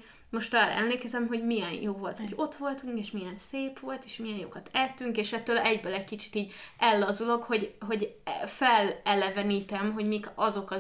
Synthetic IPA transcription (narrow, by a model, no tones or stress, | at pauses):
mo̞ʃt̪ɒːrɒ̰ʔɛ̰mleːkɛzɛmɦo̞ɟmijɛnjoːvo̞lt̪ho̞ɟo̞t̪ʋo̞lt̪uŋkeːʃmijɛnseːpʋo̞lt̪eːʃmijɛnjo̰kɒt̪ʰɛlt̪ːyŋkeːʃɛt̪ːøːlɛɟbølɛc̚kit͡ʃi̥t̪iːɟɛlːɒzuloɡho̞ɟɦo̞ɟfɛlɛlɛvɛniːt̪ɛmɦo̞ɟmiːkɒzo̞kɒ